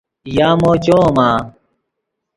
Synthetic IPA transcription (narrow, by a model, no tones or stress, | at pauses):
jaːmoːt͡ɕoːmaː